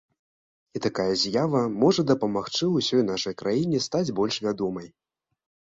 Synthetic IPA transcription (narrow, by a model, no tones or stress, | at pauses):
it̪akajɐzʲjavɐmɔʐɐd̪ɐpɐmaxt͡ʂɨusʲɔjnaʂɐjkɾʔajinʲɛst̪ad͡zʲbɔlʲʂvʲad̪ɔmɐj